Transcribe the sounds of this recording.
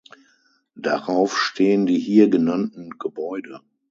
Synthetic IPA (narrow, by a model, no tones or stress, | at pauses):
d̥aʁaʊfʃtʰeːəndiːɦiːɐɡənantn̩ɡ̥əbɔʏdə